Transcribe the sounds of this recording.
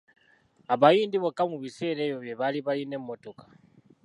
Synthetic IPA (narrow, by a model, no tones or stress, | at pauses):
aβajindiβɔkʼamuβisɛlɛjɔβjɛβaliβajinɛmɔtʼɔkʼḁ